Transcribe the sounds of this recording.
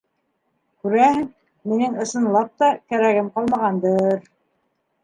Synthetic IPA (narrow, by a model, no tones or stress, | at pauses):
kʉɾæhɘŋ | minɘŋɤ̆ʃɤ̆nlˠɑp̚t̪ɑkæɾæɡɘmqɑlˠmɑʁɑnd̪ɤɾ